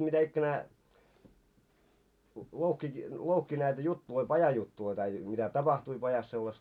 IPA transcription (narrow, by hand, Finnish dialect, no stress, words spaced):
mitæikːænæː louhki louhki næitæ jutːuloi pɑjɑjutːuloi tɑi mitæ tɑpɑhtui pɑjɑs selːɑstɑ